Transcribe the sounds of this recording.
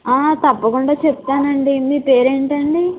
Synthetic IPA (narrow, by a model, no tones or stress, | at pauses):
aːt̪ɐpːɐkuɳɖaːt͡ʃep̚t̪aːnɐɳɖimiːpe̞ːɾeːɳʈɐɳɖi